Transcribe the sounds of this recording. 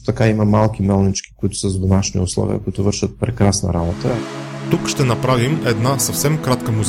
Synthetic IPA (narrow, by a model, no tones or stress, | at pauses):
t̪ɐkaimɐmalˠk̟imɛlˠnit͡ʃki̥kʊit̪ʊ̥səzd̪ʊnaʃnḭʊslˠɔ̰vḭə̰kʊit̪ʊvɤɾʃət̪̚pɾɛkɾasnə̰ɾabot̪ət̪ukʃt̪ɛnɐpɾavimɛd̪nasɐfsɛmkɾat̪kəmuz